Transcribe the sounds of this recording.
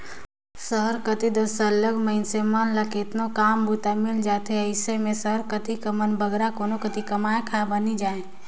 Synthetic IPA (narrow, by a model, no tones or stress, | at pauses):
səɦəɾkət̪id̪əsələɡməɪnsemənləket̪nokaːmbut̪amɪld͡ʒaːt̪eɐɪsemẽsəɦəɾkət̪ikɐmənbʱəɡɾakoːnokət̪ikɐmaːjkʰabɐnid͡ʒaːẽː